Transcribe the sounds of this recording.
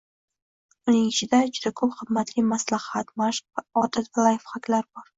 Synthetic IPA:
ʊnɪŋɪt͡ʃʰɪd̪aʊd͡ʒʊd̪akʰɵpχɨmːat̪limaslahat̪maʃqvaɒt̪ʰat̪valˠajfχakʲlaɾbɒɾ

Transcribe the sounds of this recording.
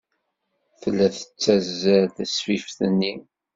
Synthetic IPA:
θəlːæθə̥t͡sːæzːæðswifθənːi

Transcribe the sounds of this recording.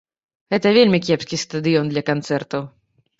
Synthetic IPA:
ɣɛt̪ɐvʲelʲmʲikʲɛpskʲist̪ɐd̪ɨjɔnd̪lʲɐkɐnt̪sɛrt̪ɐw

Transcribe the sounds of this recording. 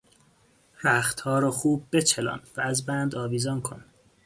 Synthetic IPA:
ɾæxt̪hɒːɾɒxuːbːet͡ʃʰelɒ̰nvæːzbænd̪ɒːviːzɒnkʰon

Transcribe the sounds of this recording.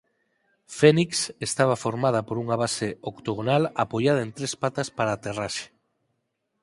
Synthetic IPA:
feniksest̪aβ̞afoɾmað̞apoɾuŋaβaseokt̪oɣ̞onalapoʎað̞aent̪ɾespat̪aspaɾaːt̪eraʃe̥

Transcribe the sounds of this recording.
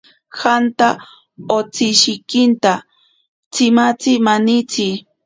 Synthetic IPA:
xant̪a | ot͡sɪʃɪkɪnt̪a | t͡sɪmat͡sɪmanɪt͡sɪ

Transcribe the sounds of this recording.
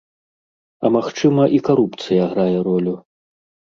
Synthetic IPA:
ɐmaxt͡ʂɨmɐʔikaɾupt̪sɨjɐɣɾajɛɾɔlʲu

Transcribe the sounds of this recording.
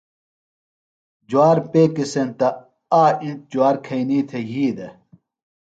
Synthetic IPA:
d͡ʑwaːɾpeːkisent̪ɐ | aːĩnt̪̚d͡ʑuaːɾkʰɐiniːt̪ʰeɦiːd̪e

